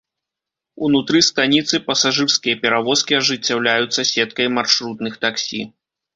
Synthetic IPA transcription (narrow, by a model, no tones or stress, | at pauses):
unut̪ɾɨst̪anʲit̪sɨpɐsaʐɨrskʲijɐpʲɛɾavɔskʲiɐʐɨt͡sʲːawlʲajut̪sːɐsʲɛt̪̚kɐjmarʂɾut̪nɨxt̪aksʲḭ